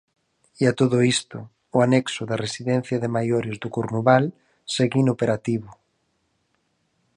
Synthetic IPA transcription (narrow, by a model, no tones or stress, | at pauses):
iat̪oðʊist̪ʊ | ʊanɛksʊðaresiðɛ̃n̟θjɐðɪmajoɾɪzðʊkuɾnuβal | seɣinopeɾat̪iβʊ